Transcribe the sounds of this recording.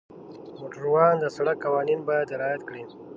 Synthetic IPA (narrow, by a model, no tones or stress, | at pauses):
moʈəɾwɑːnd̪əsaɽakːawɑːninbɑjad̪ɪɾɑːjat̪kɽi